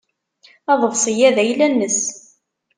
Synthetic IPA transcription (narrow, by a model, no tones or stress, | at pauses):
ɑðˤəvsˤəjæðæjlænːəs